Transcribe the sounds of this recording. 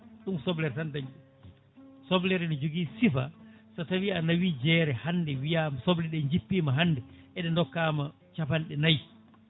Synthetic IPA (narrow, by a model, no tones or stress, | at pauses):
ɗumsɔblɛɾtandaɲɗum | sɔblɛɾɛnid͡ʒoɡiːsifa̰satawianawid͡ʒɛːɾɛhanːdɛwijamasɔblɛɗɛɲd͡ʒipːiːmaɦanːdɛʔɛɗɛndɔkːama | t͡ʃapanɗɛnaj